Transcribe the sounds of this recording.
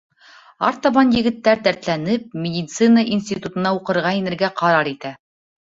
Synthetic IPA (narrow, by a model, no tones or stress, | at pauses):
ɑ̰ɾt̪ɑβɑnjɘ̆ɡɘ̆t̪ːæɾt̪æɾt̪lænɘp̚mʲed̪ʲit̪sɨnəʔinsʲt̪ʲit̪ut̪ɤ̆nɑuqɤ̆ɾʁɑinɘ̆ɾɡæqɑɾɑɾit̪æ